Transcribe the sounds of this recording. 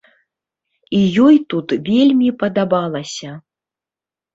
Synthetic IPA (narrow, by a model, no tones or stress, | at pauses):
ijɔjt̪ut̪vʲelʲmʲipɐd̪abalˠɐsʲɐ